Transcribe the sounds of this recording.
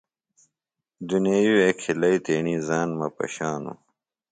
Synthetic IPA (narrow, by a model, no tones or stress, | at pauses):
d̪unejuekʰilɐit̪eːɳizaːnmɐpɐ̰ɕaːnṵ